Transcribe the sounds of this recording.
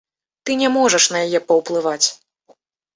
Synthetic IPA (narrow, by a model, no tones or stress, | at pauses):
t̪ɨnʲɛmɔʐɐʂnɐjajɛpɐwplˠɨvat͡sʲ